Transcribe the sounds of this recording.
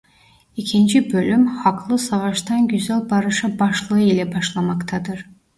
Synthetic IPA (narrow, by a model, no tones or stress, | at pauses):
icʰind͡ʒibølʲymhɑkʰlˠɯsɑvɑʃt̪ɑnɟyzælʲbɑɾɯʃabɑʃlˠɯɯilʲɛbɑʃlˠɑmɑkt̪ʰɑd̪ɯɾ